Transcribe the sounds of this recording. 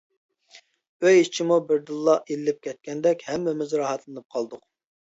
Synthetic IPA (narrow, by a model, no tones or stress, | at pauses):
øjit͡ʃʰimubɪɾd̪ɨlˠːɑʔelɪːɪp̚kʲʰɛt̪̚kʲɛnd̪ɛkʲhɛmːɪmɪzɾɑɦɑt̪lˠɨnɨp̚qʰɑlˠd̪ʊq